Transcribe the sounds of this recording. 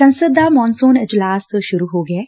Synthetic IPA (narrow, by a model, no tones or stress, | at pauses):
sɐ̃nsəd̪amɔ̃ːnsoːnɪd͡ʒlaːskʃʊɾuɦoːɡɐe